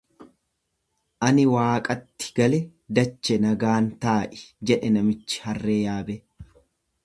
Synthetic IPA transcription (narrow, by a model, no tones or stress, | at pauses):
ʔɐnɪwaːkʼɐt̪ːɪ̥ɡ̥ɐlɛ | d̪ɐt͡ʃːɛnɐɡaːnt̪aːʔɪ̥d͡ʒɛᶑɛnɐmɪt͡ʃːɪ̥hɐrːeːjaːbɛ